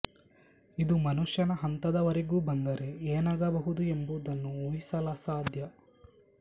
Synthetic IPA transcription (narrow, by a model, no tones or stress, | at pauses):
id̪umɐnuʂjɐnɐɦɐnt̪ɐd̪ɐʋɐɾeɡuːbɐnd̪ɐɾe̞eːnɐɡɐbɐɦud̪uembud̪ɐnːuoːɦisɐlasaːd̪ʱjɐ